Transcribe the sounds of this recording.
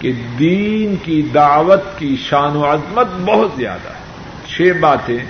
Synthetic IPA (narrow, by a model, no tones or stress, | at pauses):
ked̪iːnkid̪aːʋət̪kiʃaːnuːɐzmət̪̚bɐɦʊt̪zja̰ːd̪a̰ɛ | t͡ʃʰeːbaːt̪ẽ